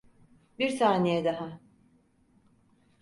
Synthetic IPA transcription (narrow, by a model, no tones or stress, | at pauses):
biɾsʰaːnejɛd̪aɦa